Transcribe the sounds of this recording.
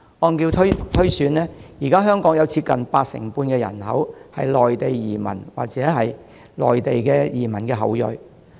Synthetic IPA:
ɔː˧nkiː˧wt̪ʰɵ˥t̪ʰɵ˥ɥsyː˨˥nlɛː˥jiː˨˩kaː˥ɦœː˥ŋkɔː˨˥ŋjɐ˨˧wt͡sʰiː˧t̚kɐ˨npaː˧k̚sɪ̰˨˩ŋpuː˧nkɛː˧jɐ̰˨˩nhɐ̰˨˥whɐ˨jlɔː˨jt̪e˨jjiː˨˩mɐ̰˨˩nwa̰ː˨k̚t͡sɛː˨˥ɦɐ˨j | lɔ̰ː˨jt̪e˨jkɛː˧jiː˨˩mɐ˨˩nkɛː˧ɦɐ̰˨˥wjɵ̰˨j

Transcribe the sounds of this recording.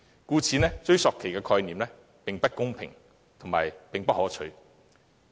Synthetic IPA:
kuː˧t͡sʰiː˨˧nɛː˥t͡ʃɵ˧˥ɥsɔː˨kʰe˨˩jkɛː˧kʰɔː˧jniː˨mnlɛː˥ | pɪ˨ŋpɐ˥t̚kʊ˥ŋpʰɪ̰˨˩ŋ | t̪ʰʊ˨˩ŋma̰ː˨˩jpɪ˨ŋpɐ˥t̚hɔː˨˥t͡ʃʰɵ̰˨˧˥ɥ

